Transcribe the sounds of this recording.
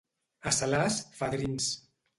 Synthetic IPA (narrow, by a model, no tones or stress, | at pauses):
asalasfaðɾins